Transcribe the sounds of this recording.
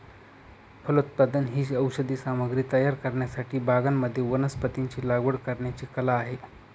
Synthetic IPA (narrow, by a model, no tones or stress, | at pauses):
pʰəlut̪̚pad̪ənɦiːɕəwɕəd̪iːsaməɡɾiːt̪əjaɾkəɾɳjasaʈʰiːbʱaɡamːəd̪ʱːjeʋənəspət̪iɲt͡ɕiːlaɡʋəɽkəɾɳjat͡ɕiːkəlaːɦe